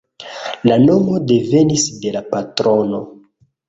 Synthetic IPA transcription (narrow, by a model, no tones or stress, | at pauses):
lano̞mo̞de̞ve̞nisde̞lapatɾo̞no̞